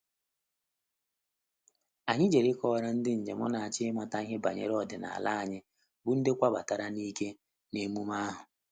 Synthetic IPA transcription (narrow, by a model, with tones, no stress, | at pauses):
a˨ɲɪ˦d͡ʒe˨ɾɪ˦kɔː˦ɾa˦n̩˦dɪ˦n̩˨d͡ʒe˨mɔ̰˦na˨a˨t͡ʃɪ˦ma˦ta˦i˦ɦe˦ba˨ɲḛ˦ɾɔ˦˨dɪ˨na̰˨a̰˨la˦a˨ɲɪ˦ | bʊ˦n̩˦dɪ˦kʷa˦ba̰˨ta˨ɾa˦ni˦ke˦ | ne˦mu˦ma˦a˦ɦʊ˨